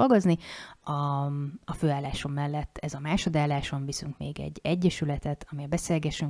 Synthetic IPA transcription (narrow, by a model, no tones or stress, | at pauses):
olɡo̞zniɒː | føːaːlːaːʃo̞mːɛlːɛt̪ːɛzɒmaːʃo̞d̪aːlːaːʃo̞ɱvisyŋkmḛːɡɛ̰ɟːɛɟːɛʃylɛt̪ɛt̪ʰɒmiɒbɛseːlɡɛʃyŋ